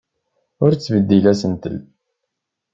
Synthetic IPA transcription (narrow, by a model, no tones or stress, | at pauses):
ʊɾt͡sːvəd̪ːilæsənt̪ə̰l